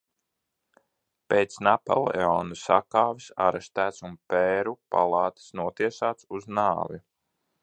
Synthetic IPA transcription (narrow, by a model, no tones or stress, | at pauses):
peːt̪snapa̰lˠeɔnusakaːvisa̰ɾɛst̪æːt̪sunpeːɾupa̰lˠɑːt̪i̥snuɔt̪iɛsaːt̪suznaːvi